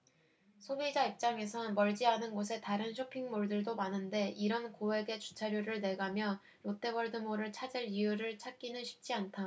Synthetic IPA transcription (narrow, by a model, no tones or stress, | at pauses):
sʰobid͡ʑaip̚t͡ɕ͈aŋe̞sʰʌnmʌɭd͡ʑianɯnɡos̬ʰe̞taɾɯnɕʰopʰiŋmoɭdɯɭdomanɯnde̞ʔiɾʌnkowe̞ɡe̞t͡ɕu̥t͡ɕʰaɾjoɾɯɭne̞ɡamjʌ | jot͈e̞bʌɭdɯmoɾɯɭt͡ɕʰad͡ʑiɾiɯɾɯɭt͡ɕʰak͈inɯnɕʰi̥p̚t͡ɕ͈iantʰa